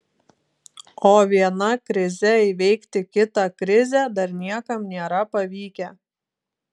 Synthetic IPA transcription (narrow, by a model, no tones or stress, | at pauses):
oːʋʲiɛnɐkɾʲɪzʲɛɪʋʲɛɪkt̪ʲɪkʲɪt̪ɑkɾʲɪzʲɛd̪ɐɾnʲiɛkɐmnʲeːɾɐpɐʋʲiːkʲɛ